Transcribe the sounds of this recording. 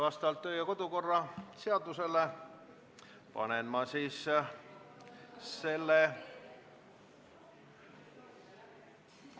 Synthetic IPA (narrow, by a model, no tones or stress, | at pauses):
vɑst̪ɑɑlt̪ːøːjɑko̞d̪̥uko̞rːɑseɑd̪use̞lːe | pɑ̰nenmɑsiːs | se̞lːe